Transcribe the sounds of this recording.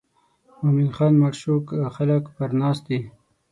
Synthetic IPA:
mominxɑːnmaɾʃukxaləkpəɾnɑst̪̚d̪i

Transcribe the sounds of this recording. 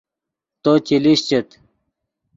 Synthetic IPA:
t̪ot͡ɕiliɕt͡ɕet̪

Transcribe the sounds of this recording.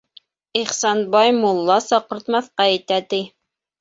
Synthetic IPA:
iχsɑnbɑjmulˠːɑsɑqɤ̆ɾt̪mɑθqɑɘt̪æt̪i

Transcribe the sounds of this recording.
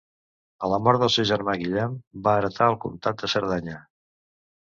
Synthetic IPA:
ələmɔɾt̪d̪əlˠsewʒəɾmaɣiʎɛmbaəːɾət̪ʰaəlˠkunt̪at̪̚d̪əsəɾðaɲə

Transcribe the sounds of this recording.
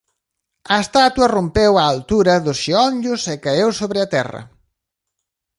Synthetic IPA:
ɐest̪at̪wɐrompewaːlt̪uɾɐðʊsʃiɔɲʎʊsɛkaewsoβɾɪɐt̪ɛ̰rɐ̰

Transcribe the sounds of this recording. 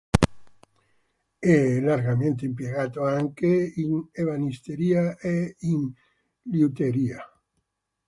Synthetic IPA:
ɛlaɾɡamẽnt̪eimpjeɣat̪oaŋkeineβanist̪eɾiaein | liut̪eɾia

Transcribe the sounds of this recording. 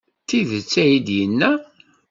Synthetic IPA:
θiðət͡sːæjid̪jənːæ

